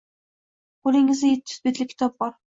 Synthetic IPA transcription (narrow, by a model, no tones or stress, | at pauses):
qʰolˠɪŋɪzajet̪ʰːɪ̥sbet̪lɪkʲʰɪ̥t̪ʰɒp̚bɒɾ